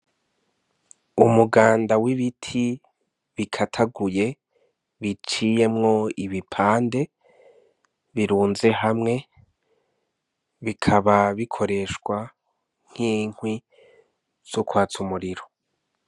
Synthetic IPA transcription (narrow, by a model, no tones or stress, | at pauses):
umuɡaːndawiβitʰi | βikʰatʰaɡuje̞ | βit͡ʃije̞mŋo̞iβipʰaːnde̞ | βiɾuːnze̞ɦamŋe̞ | βikʰaβaβikʰo̞ɾe̞ʃɡwa | ŋ̥iːŋ̥wi | z̥ukwaːt͡sumuɾiɾo